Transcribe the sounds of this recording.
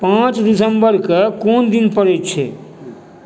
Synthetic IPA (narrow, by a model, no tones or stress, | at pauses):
pãt͡ʃd̪isəmbəɾkekond̪inpəɾɛt̪t͡ʃʰɛ